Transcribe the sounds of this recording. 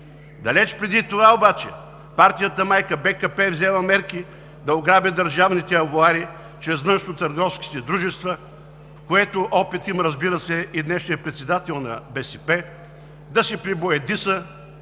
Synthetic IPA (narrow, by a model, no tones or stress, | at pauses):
d̪ɐlɛt͡ʃpɾɛd̪it̪ovaobat͡ʃɛ̰ | paɾt̪ijət̪əmajkəbɛkɐpɛvzɛlˠəmɛɾki | d̪ɐʊɡɾabʲɛd̪ɐɾʒavnit̪ɛɐvoaɾi | t͡ʃɾɛznəʃnot̪əɾɡɔfskʲi̥t̪ɛd̪ɾuʒɛst̪və | fkoɛt̪ʊʔɔpit̪iməɾəzbiɾəsɛid̪nɛʃnijəpɾɛt̪sɛd̪at̪ɛlˠnɐ̰bɛsɛpɛ | d̪ɐsɛpɾiboɛd̪isə